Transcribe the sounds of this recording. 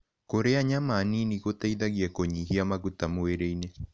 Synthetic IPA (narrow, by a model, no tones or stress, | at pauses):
koɾeaɲamaniniɣotaiðaɣiɛkoɲiɦiamaɣutamoeɾeine